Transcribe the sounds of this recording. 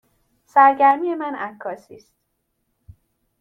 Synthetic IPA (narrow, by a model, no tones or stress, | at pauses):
sæɾɟæɾmije̞mænækʰːɒːsiːst̪